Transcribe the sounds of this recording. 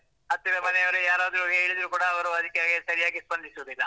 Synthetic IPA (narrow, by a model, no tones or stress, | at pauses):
ɐt̪ːiʋɐmɐnɛjɐʋɐɾujaːɾaːd̪ɾuɦeːɭid̪ɐɾukuːɽɐːʋɐɾuɐd̪ikːejaːɡisɐɾijaːɡispɐnd̪isuʋɐd̪ilːɐ